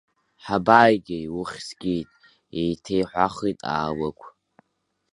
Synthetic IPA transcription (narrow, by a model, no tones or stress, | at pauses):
ħabaːjɡʲɪjwʊχʲsɡʲijtʼ | ejtʰejħʷaχijtʼa̰ːwakʷʰ